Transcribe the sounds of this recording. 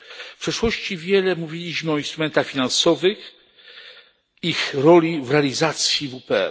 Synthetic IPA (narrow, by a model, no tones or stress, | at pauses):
fpʂɛʂwɔɕt͡ɕivʲjɛlɛmuvʲilʲiɕmɘɔĩnst̪ɾumɛnt̪axfʲinansɔvɘx | ixɾɔlʲivɾɛalʲizat̪sʲjivupɛɛ̰